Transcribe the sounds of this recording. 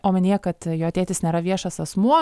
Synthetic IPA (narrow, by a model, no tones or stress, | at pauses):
oːmʲɪnʲeːjɛkɐt̪joːɐtʲeːt̪ʲɪsnʲeːɾɐʋʲiɛʃɐsɐsmuɔ